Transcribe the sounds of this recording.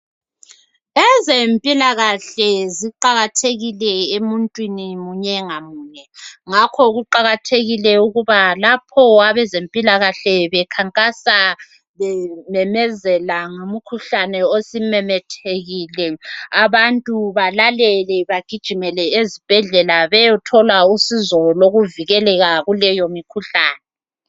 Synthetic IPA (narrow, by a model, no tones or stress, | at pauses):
ɛzempʼilaɣaɬɛziǃaɣatʰeɣilɛemuntʼwinimuɲɛŋamuːnɛŋakʰɔɣuǃaɣatʰeɣilɛuɣuβalapʰɔwaβɛzempʼilaɣaɬɛβɛkʰaŋkʼasa | βɛmɛmɛzɛlaŋom̩kʰuɬanɛosimɛmɛtʰeɣiːlɛaβantʼuβalalɛlɛβaɡ̥ʱid̥ʒ̥ʱimɛlɛezib̥ʱɛɮɛlaβɛjɔtʰɔlausizɔloɣuviɣɛlɛɣaɣulɛjomikʰuɬaːnɛ